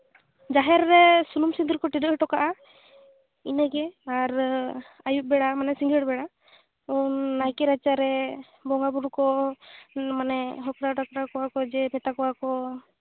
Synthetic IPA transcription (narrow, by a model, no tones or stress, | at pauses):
d͡ʒaɦɛɾːɛsunumsind̪uɾkɔʈiɖɔʔʈɔkaʔa | inɛɡɛaɾ | ajuʔ̚bɛɽamanɛsiŋɡɛɽbɛɽa | unːajkɛɾat͡ʃaɾɛ | bɔŋɡabuɾkɔ | manɛɦɔkɾaʈakɾakɔwakɔd͡ʒɛpʰɛt̪akɔwakɔ